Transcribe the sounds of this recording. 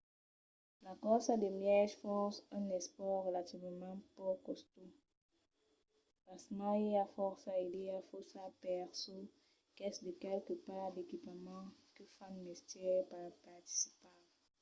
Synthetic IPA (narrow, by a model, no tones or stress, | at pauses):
lakɔsad̪emjɛʒfɔʁsɛ̃nɛspɔʁʁəlat̪ivmɑ̃pokɔst̪o | pasmɑ̃eafɔʁsaed̪eafɔsapɛʁso | kɛsd̪əkɛlkəpaʁd̪ekipamɑ̃kəfanmɛst̪jɛpapaʁt̪i̥si̥pã